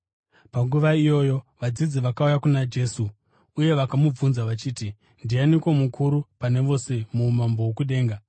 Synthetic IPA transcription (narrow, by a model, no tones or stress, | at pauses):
paŋɡuʋaijo̞ːjo̞ʋad͡zid͡ziʋakaujakunad͡ʒe̞ːsu | uje̞ʋakamub͡vunzaʋat͡ʃiːti | ndianikwo̞mukʰuɾupane̞ʋo̞se̞mumambo̞wokuɗe̞ːŋɡa